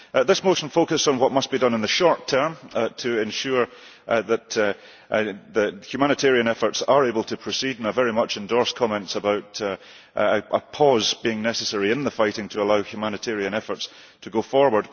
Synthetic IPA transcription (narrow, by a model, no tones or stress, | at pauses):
ðɪsmoʃn̩fokəsn̩wʌʔmʌsb̥idʌ̃nə̃nðəʃɔɹtʰɜ˞mtʰəɪ̃nʃʉɹ | ðəʔ | ðəhjʉmañɨtʰɛɹiɨ̃nɛfə˞tsə˞ebəlˠtʰəpʰɹ̥əsidnə˞vɛɹimʌt͡ʃɛ̃ndɔɹskʰɔmɛ̃ntsəbaʊʔ | əʔəpʰɔzb̥iɪ̃ŋnɛsəsɛɹiɪ̃nðəfaɪʔɪ̃ŋtʰəːlˠaʊhjʉmañɨtʰɛɹiɨ̃nɛfə˞ts | tʰəɡofɔɹwə˞d̥̚